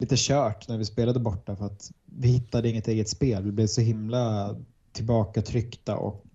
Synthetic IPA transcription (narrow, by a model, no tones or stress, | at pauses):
liːt̪əɕœːʈnæɾvɪspeːlad̪əbɔʈːafœɾat̪vɪhɪt̪ːad̪əɪŋːət̪eːɡət̪speːlvɪblɛvsɔɦɪmla | t̪ʰɪlbɑːkat̪ʰɾʏkt̪a̰ʔɔ̰k